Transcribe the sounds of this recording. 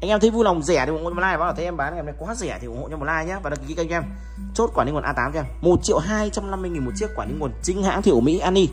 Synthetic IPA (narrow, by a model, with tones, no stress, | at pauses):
ʔa˧ŋʔɛ˧mt̪ə˨˦jvu˧la˨˩wŋ͡mzɛ˧˩˨t̪i˨˩˨laː˧jːzt̪ʰə˨˦ʔɛ˧mɓaː˨˦nː˧˨˧na˨˦jkwaː˨˦zɛ˧˩t̪i˨˩˨o̰˧˨t͡ɕɔ˧m˨˩laː˧jɲaː˧˦vaː˨˩ɗki˧˩ki˨˦kŋ˧ɛ˧m | t͡ɕo˦˥t̚kwaː˧˩n˧ŋ˨˩nʔːt̪aː˨˦m˧ɛ˧mmo˨˩t̚t͡ɕḭ˧˨əwɦaː˧jt͡ɕa˧wŋ͡mna˧mːɨ˧jŋi˨˩nmo˨˩t̚t͡ɕi˦˥əkwaː˧˩nï˧ŋu˨˩ənt͡ɕï˨˦ŋ̟ha̰ː˧˥ŋt̪ʰi˨˧˩mḭ˧˥ʔaː˧ni˧